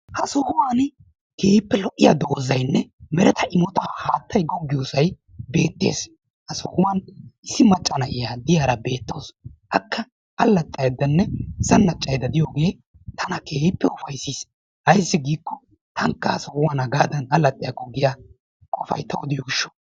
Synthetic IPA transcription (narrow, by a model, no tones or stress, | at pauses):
hɐsɔhʊwaːn | keːpːɛlɔʔːɪjɐd̪o̞ːzɐjnːɛmɛɾɛt̪ʰɐʔɪmɔt̪ahaːt̪ːɐjɡɔɡːɪjoːsɐj | be̞ːt̪ːḛːs | hɐsɔhʊwanɪsːɪmɐt͡ʃʼːɐnɐʔɪjad̪ɪjaːɾɐbe̞ːt̪ːo̞ːsʔɐkːɐ | ʔɐlːɐt̪ʼːɐjd̪ɐnːɛɪsɐnːɐt͡ʃʼːɐjd̪ɐd̪ɪjoːɡe̞ː | t̪ʰɐnɐkʰe̞ːpːɛɔfɐjsis | hɐjsːɪɡiːkːɔ | t̪ʰɐŋkːɐhɐsɔhʊwaːnɐɡaːd̪ɐnɐlːɐt̪ʼːɪjakːɔɡɪja | kʼɔfɐ̰jt̪ːɐwɔd̪ɪjɔɡɪʃːɔ̥